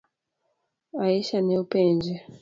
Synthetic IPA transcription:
aiʃanɛupɛnd͡ʒɛ

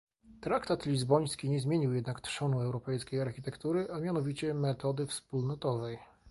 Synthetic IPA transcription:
t̪ɾakt̪at̪lʲizbɔj̃skʲiɲɛzmʲjeɲiwjɛd̪nakt̪ʂɔnuɛwɾɔpɛjskʲejaɾxʲit̪ɛkt̪uɾɘʔamʲjanɔvʲit͡ɕɛmɛt̪ɔd̪ɘfspulnɔt̪ɔvɛj

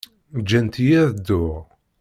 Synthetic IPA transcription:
d͡ʒːænt̪ijæðəd̪ːʊʁ

